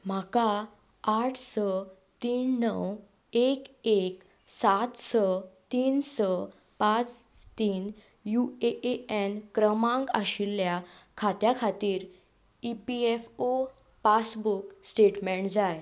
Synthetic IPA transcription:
m̤aka | aʈʰsə | t̪iːnnəw | ekek | sat̪sət̪iːnsə | pat͡st̪iːn | jueeɛnkɾəmãŋɡaɕilːjakʰat̪jakʰat̪iːɾ | ipiefo | pasbuksʈeʈmẽɳʈd͡zaj

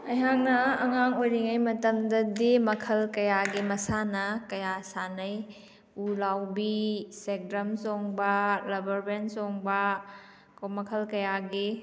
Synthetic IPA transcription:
ɐjɦaŋnɐɐŋaŋojɾiŋajmɐtɐmdɐdimɐkʰɐlkɐjaɡimɐsanɐkɐjasanɐj | ulawbisek̚ɾɐmsɔŋbɐlɐbɐɾbensɔŋbɐ | komɐkʰɐlkɐjaɡi

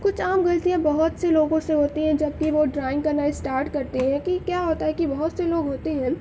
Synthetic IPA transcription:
kʊt͡ʃʰaːmɡɐlt̪ijãbɐɦʊt̪seloːɡõseɦoːt̪iɦɛ̃d͡ʒɐb̚kiʋoɖɾaːɪ̃ŋɡkɐnaːisʈaːɾʈkɐɾt̪eɦɛ̃kikjaːɦoːt̪aɦɛkibɐɦʊt̪seloːɡɦoːt̪eɦɛ̃ː

